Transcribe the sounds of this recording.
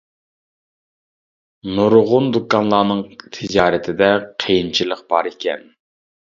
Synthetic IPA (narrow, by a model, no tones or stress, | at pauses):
nuɾʁʊnd̪ukːɑnlˠɑnɨŋt̪ʰɪd͡ʒɑːɾɨt̪ʰɪd̪ɛqʰejint͡ʃʰilˠəq̚b̥ɑ̰ɾikʲʰɛ̰n